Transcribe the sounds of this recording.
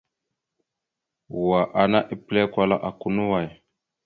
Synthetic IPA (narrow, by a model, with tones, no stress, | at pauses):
wa˨ʔa˨na˦ʔi˨ple˦kwa˦la˦ʔa˨ku˨nu˦wa˨j